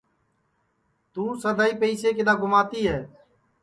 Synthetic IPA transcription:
t̪ũːsəd̪ʱaːiːpəiseːkɪd̪aːɡʊmaːt̪iːɦɛː

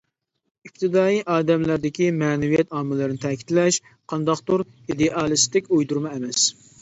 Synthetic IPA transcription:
ip̚t̪ʰɪd̪ɑːjiʔɑːd̪ɛmlæɾd̪ɪkʲimɛːnɛvijɛt̪ɑːmɨlˠɨɾɨnɪt̪ʰɛkʲi̥t̪lɛʃ | qʰɑnd̪ɑqt̪uɾ | id̪eʔɑlˠɨst̪ɪkʲujd̪uɾmɑɛmɛs

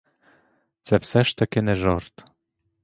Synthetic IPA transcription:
t͡sæpsæʃt̪ɑkeneʒort̪

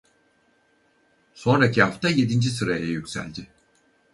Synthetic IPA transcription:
so̞nɾacʰiɦaft̪ʰaje̞d̪ind͡ʒisɯɾajajycʲsæ̰lʲd̪ɪ

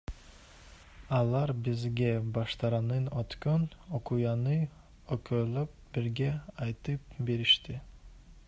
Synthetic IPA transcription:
ɑlˠɑɾbizɡʲebɑʃt̪ɑɾɑnɯnot̪kønokujɑnɯ | økøløp̚biɾɡʲeɑjt̪ɯp̚beɾiʃt̪i

